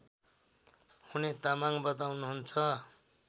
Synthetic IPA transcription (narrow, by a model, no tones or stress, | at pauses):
hunet̪amaŋbʌt̪̬awnuɦunt͡sʰʌ